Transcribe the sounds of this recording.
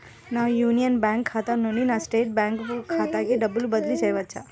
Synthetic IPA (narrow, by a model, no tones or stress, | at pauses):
najunijənbãŋkʰːat̪anəninasʈeːʈ̚bãŋkkʰːat̪akeɖəbəlbəd̪lit͡ʃəjʋətːt͡ʃʰa